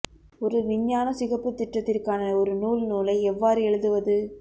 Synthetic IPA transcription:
ɔɾɯʋɪɲːaːnɐsɪɣɐpːɯt̪ːɪʈːɐt̪ːɪrkaːnɐɔɾɯnuːlnuːlɐɪɛʋːaːɾɯɛɭɯðɯʋɐðɯ

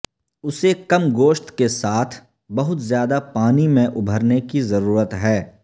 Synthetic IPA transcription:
ʊsekɐmɡoːʃt̪kesaːt̪ʰ | bɐɦʊt̪zjaːd̪apaːnimẽʔʊbʱəɾnekizɐɾuːɾət̪ɦɛː

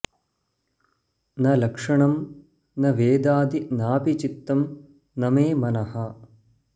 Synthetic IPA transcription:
nɐlɐkʂɐɳɐm | nɐʋeːd̪aːd̪inaːpit͡ʃit̪ːɐm | nɐmeːmɐnɐhɐ

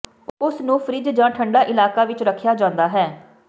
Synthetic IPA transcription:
ʊsnũːpʰəɾɪd͡ʒd͡ʒãːʈʰəɳɖaːʔɪlaːkaːʋɪt͡ʃɾəkʰjaːd͡ʒãːnd̪aːɦɛː

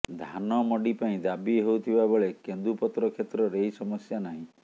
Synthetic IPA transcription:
d̪ʱanɔmɔɖipaĩd̪abiɦowt̪ʰibabɔɭekend̪upɔt̪ɾɔkʰet̪ɾɔɾejsɔmɔsjanaɦĩ

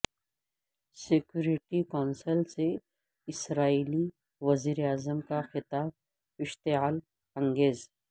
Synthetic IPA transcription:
sɪkjuːɾɪʈikɔːnsəlse | ɪsɾaːiːli | ʋɐziːɾeaːzəmkaxɪt̪aːb̚ | ɪʃt̪eɦaːl | ɐ̃ŋɡeːz

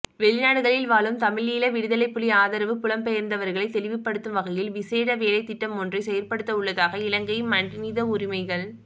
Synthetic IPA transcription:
ʋɛɭɪnaːɽɯɣɐɭɪlʋaːlɯmt̪ɐmɪliːlɐʋɪɽɯðɐlɐɪpːʊɭiaːðɐɾɐʋɯpʊlɐmpɛjɐɾnd̪ɐʋɐɾɣɐɭɐɪt̪ːɛlɪʋɪpːɐɽɯt̪ːɯmʋɐɣɐjɪlʋɪseːɽɐʋeːlɐɪt̪ːɪʈːɐmɔndrɐɪsɛjɐrpɐɽɯt̪ːɐʊɭːɐðaːɣɐɪlɐŋɡɐjɯmːɐɳnɪðɐʊɾɪmɐɪɣɐɭ

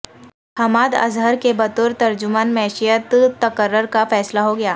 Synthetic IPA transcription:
hɐmaːd̪ɐ̰zɦəɾkebɐt̪ʊɾt̪ɐɾd͡ʒʊmaːnmɛːʃijət̪t̪ːɐkəɾːəɾkafɛːslaɦoɡɐjaː

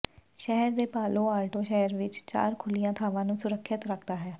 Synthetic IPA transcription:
ʃɛːɦəɾd̪eːpaːloːaːʈoːʃɛːəɾʋɪt͡ʃt͡ʃa̰ːɾkʰʊlijãːt̪ʰaːʋãːnũːsʊɾəkʰːɪt̪ɾəkʰd̪aːɦɛː

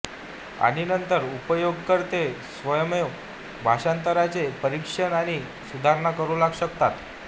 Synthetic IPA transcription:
a̰ɽinənt̪əɾupəjoɡkəɾt̪esʋəjəme | bʱaɕant̪əɾat͡sepəɾikʂəɳaɽ̃i | sud̪ʱaɾɳakəɾulaɡɕəkt̪at̪

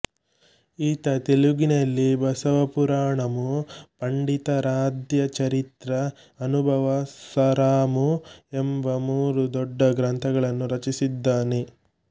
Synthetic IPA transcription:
iːt̪ɐt̪eluɡinɐlːibɐsɐʋɐpuɾaːɳɐmupɐɳɖit̪ɐɾaːd̪jɐt͡ʃɐɾit̪ɾɐː | nubʱɐʋɐsɐɾaːmuembɐmuːɾud̪ɔɖːɐɡɾɐnt̪ʰɐɡɐɭɐnːuɾɐt͡ʃisid̪ːaːne

